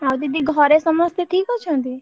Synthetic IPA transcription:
aʋd̪id̪iɡʱəɾesəməst̪eʈʰikɔt͡ʃʰɔ̃d̪i

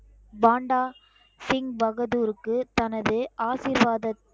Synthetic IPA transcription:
baːɳɖaː | sɪŋɡbɐɣɐðuːɾɯkːɯt̪ɐnɐðɯʔaːsiːɾʋaːðɐt̪

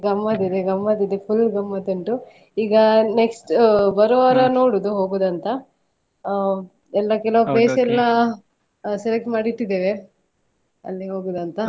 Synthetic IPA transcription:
ɡɐmːad̪id̪eɡɐmːaːd̪id̪epʰulɡɐmːɐt̪ɐɳʈu | iːɡɐneksʈbɐɾoʋɐɾɐno̞ːɽud̪uɦoːɡoːd̪ɐnt̪ɐ | ɛlːɐkɛlɐʋupleːsɛlːɐ | selek̚ʈmaːɽit̪ːid̪eːʋe | ɐ̰lːiɦoːɡuːd̪ɐnt̪ɐ

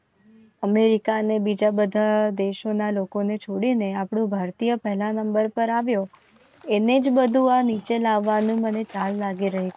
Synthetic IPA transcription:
əmeɾikanebid͡ʒabəd̪ʱad̪eʃonalokonet͡ʃʰoɽineapɽũbʱaɾt̪ijəpɛɦlanəmbəɾpəɾaʋjo | ened͡ʒbəd̪ʱũanit͡ʃelaʋːanũmənet͡ʃallaɡiɾəɦi

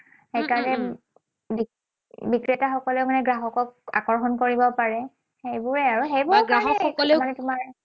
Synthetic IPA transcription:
ejkaɹnɛ | bi | bikɹɛtaxɔkɔlɛʊmanɛɡɹaɦɔkɔk̚a̰kɔɹxɔnkoɹibɔpaɹɛ | xejbʊɹɛaɹuxejbʊɹkɹaaɦɔkxɔkɔlemanɛtʊmaɹ

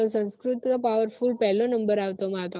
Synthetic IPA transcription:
osɐnskɾut̪ɯɣɐpaːʋɐɾfuːlpɛlːõnɐmbɐɾaːʋt̪ɐmaːt̪õ

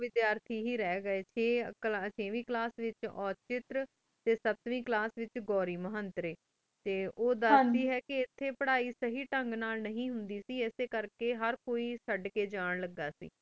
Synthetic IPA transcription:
ʋɪd̪jaːɾt̪ʰiːɦiːɾɛːɡəeːt͡ʃʰeːklat͡ʃʰeːʋĩːklaːsʋɪt͡ʃɔːt͡ʃɪt̪ɾ | t̪eːsət̪ʋĩːklaːsʋɪt͡ʃɡɔːɾiːməɦənt̪ɾeː | t̪eːoːd̪əd̪iːɦɛːkɪɪt̪ʰːeːpəɽaːiːsəɦiːʈəŋɡnaːlnəɦĩːɦʊnd̪iːsiːɛːseːkəɾkeːɦəɾkoːiːsəɖkeːd͡ʒaːɳləɡːaːsḭː

